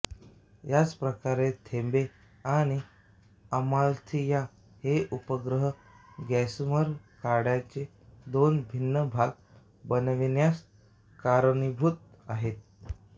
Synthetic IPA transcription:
jad͡zpɾəkaɾet̪ʰembe | aɽ̃i | əmalt̪ʰija | heʔupəɡɾəɦə | ɡɛsməɾkaɽjat͡se | d̪onbʱinːəbʱaɡ | bənʋinjas | kaɾnibʱut̪̚ | aɦet̪̚

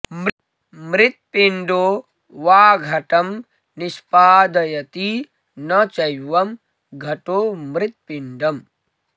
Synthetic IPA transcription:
m | mɾɪt̪̚piɳɖoː | ʋaːɡʱɐʈɐm | nispaːd̪ɐjɐt̪i | nɐt͡ʃɐjʋɐm | ɡʱɐʈoːmɾit̪̚piɳɖɐm

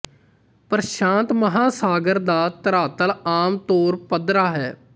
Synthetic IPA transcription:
pəɾʃãːnt̪məɦaːsaːɡəɾd̪aːt̪əɾaːt̪əlaːmt̪oːɾpəd̪ɾaːɦɛː

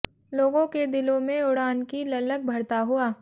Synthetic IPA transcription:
loːɡõked̪ɪlõmẽʊɽaːnkilɐlək̚bʱɐɽt̪aɦuaː

